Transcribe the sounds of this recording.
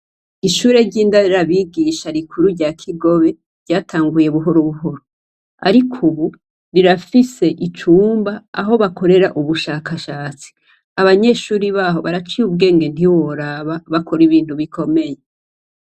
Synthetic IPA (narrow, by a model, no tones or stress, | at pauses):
iʃuːɾe̞ɾɟiːndaɾaβiːɡiʃaɾikʰuɾuɾɟakʰiɡo̞βe̞ | ɾɟaːtʰaːŋɡuje̞βuɦo̞ɾoβuɦo̞ɾo | a̰ɾikʰuβu | ɾiɾafise̞ʔit͡ʃuːmba̰ːɦo̞βako̞ɾe̞ɾaʔuβuʃaːkaʃaːt͡si̥ | aβaɲe̞ːʃuːɾiβaːɦo̞βaɾat͡ʃiuβɡe̞ːŋɡe̞n̥diwoɾaβaβakʰo̞ɾiβiːn̥huβikʰo̞me̞je